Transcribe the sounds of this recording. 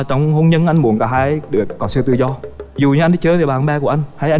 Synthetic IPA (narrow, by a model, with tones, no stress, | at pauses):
t͡ɕɔ˧wŋ͡mho˧nɲə˧nʔa˧jŋ̟mu˨˩ənkaː˧˩ɦaː˧jɗɨ˨˩əkːɔ˨˦sɨ˧t̪ɨ˧zɔ˧zu˨˩ɲɨ˧ʔa˧jŋ˨˦t͡ɕəː˨˦ve˨˩ɓaː˨˩nɓɛː˧ku˧˩ʔa˧ŋ̟haː˧jʔa˧